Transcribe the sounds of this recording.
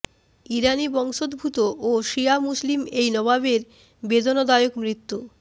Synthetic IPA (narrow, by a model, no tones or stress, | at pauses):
iɾanibɔŋʃod̪bʱut̪oʔoʃiamuslimejnɔβaβeɾ | bed̪onod̪aeokmɾit̪ːu